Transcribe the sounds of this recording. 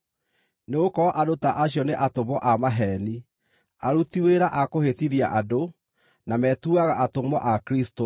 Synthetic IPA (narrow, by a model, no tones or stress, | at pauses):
neokɔʔadotaʔaɕjɔneʔatomɔʔamaɦɛni | aɾutiweɾaʔakohetiðia̰ʔado | namɛtuaɣaʔatomɔʔakɾisto